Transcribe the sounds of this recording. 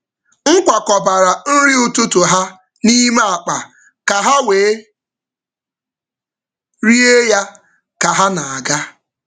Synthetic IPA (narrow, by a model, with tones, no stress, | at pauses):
ŋ̩˦kʷa˨kɔ˨ba˨ɾa˨n̩˦ɾi˦ʊ˨tʊ˦tʊ˨ɦa˦ | ni˦me˦a˨k͡pa˨ | ka˨ɦa˦weː˨e˦ | ɾi˦e˦ja˦ | ka˨ɦa˦na˨a˨ɡa˦